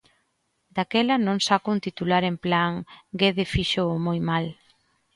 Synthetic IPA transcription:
d̪akɛlɐnõŋsakunt̪it̪ulaɾemplaŋɡeðefiʃoːmojmal

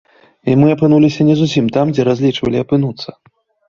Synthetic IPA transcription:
imɨɐpɨn̪ulʲisʲɐnʲɛzusʲimt̪amd͡zʲɛɾazʲlʲit͡ʂvɐlʲiapɨn̪ut̪sːɐ

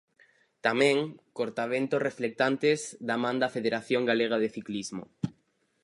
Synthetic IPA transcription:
t̪amẽŋkoɾt̪aβ̞ent̪osreflek̚t̪ant̪ezd̪amãnd̪afeðeɾaθjõŋɡaleɣ̞aðeθiklizmo̰

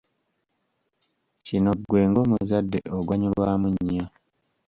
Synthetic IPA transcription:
cino̞ɡwe̞ːŋɡo̞ːmuzadːe̞̰oɡwaɲulwaːmuɲːa

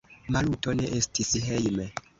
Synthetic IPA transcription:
malutoneʔestisɦejme

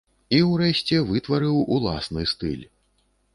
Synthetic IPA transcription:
iwrɛɕʲt͡sʲɛvɨt̪vɐɾɨwulˠa̰snɨst̪ɨ̰lʲ

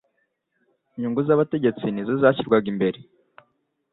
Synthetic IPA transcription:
iɲuŋɡuzaβate̞ɟe̞t͡sinizizaːçiɾɡwaɡimbe̞ɾe

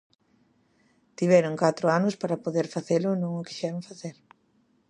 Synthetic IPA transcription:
t̪iβɛɾʊŋkat̪ɾʊanʊspaɾɐpoðeɾfaθelʊnõŋʊki̥ʃɛɾõŋfaθeɾ

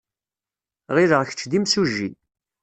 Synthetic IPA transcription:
ʁɪɾəʁçə̥t͡ʃːd̪imsuʒːi

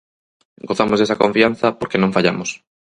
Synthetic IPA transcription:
ɡoθamʊzðesɐkõɱfian̟θɐpoɾkenõŋfaʎamʊs

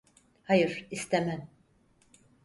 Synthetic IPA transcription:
hajɯɾ̥ist̪ʰemæn

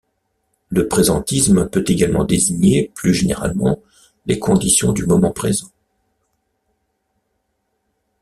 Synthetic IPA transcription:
ləpχezɑ̃t̪ismpøt̪eɡalmɑ̰̃d̪eziɲeplyʒenḛʁa̰lmɑ̰̃ | lekʰɔ̃d̪isjɔ̃d̪ymɔmɑ̃pχezɑ̃

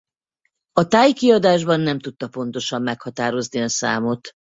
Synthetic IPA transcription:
ɒt̪aːjkiɒd̪aːʒbɒnːɛmt̪ut̪ːɒpo̞nt̪o̞ʃɒmːɛkhɒt̪aːɾo̞zniɒsa̰ːmo̞t̪

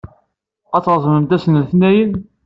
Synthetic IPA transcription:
æt͡sːɾˤzˤməmt̪æsənθnæjən

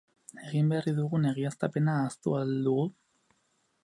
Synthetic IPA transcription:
eɣimberiðuɣuneɣiast̪apenaːst̪ṵald̪uɣu

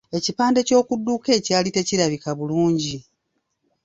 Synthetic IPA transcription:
e̞cipaːnde̞co̞ːkudːuke̞ːcaːlite̞ciɾaβikaβuluːɲɟi

